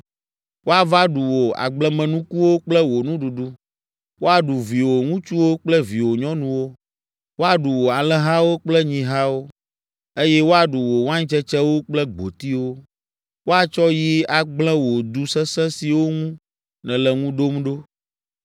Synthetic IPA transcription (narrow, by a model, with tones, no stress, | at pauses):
wo˦a˨va˦ɖu˨wo˨a̰˨ɡ͡blɛ˦mɛ̃˨nũ˦ku˦wo˦k͡plɛ˦wo˨nũ˦ɖu˨ɖu˦ | wo˦a˨ɖu˨vi˨wo˨ŋũ˦t͡ʃu˦wo˦k͡plɛ˦vi˨wo˨ɲɔ̃˦nũ˨wo˦ | wo˦a˨ɖu˨wo˨a˨lɛ̃˦ɦã˦wo˦k͡plɛ˦ɲĩ˨ɦã˦wo˦ | e˦jɛ˦wo˦a˨ɖu˨wo˨wã˦ɲ̃˦t͡ʃɛ˦t͡ʃɛ˦wo˦k͡plɛ˦ɡ͡bo̰˨t̪i˦wo˦ | wo˦a˨t͡ʃɔ˦ji˦a˨ɡ͡blɛ̃˦wo˨d̪u˨sɛ̃˦sɛ̃˦si˨wo˦ŋũ˦ | nɛ̃˨lɛ˨ŋũ˦ɖ̪o˦mɖo˦